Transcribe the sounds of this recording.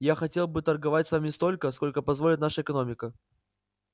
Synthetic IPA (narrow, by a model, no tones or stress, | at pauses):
jaxɐtʲe̞lˠbɨt̪ərɡɐvatʲsvamʲɪst̪o̞lʲkəsko̞lʲkəpɐzvolʲɪt̪naʂəɪkɐno̞mʲɪkə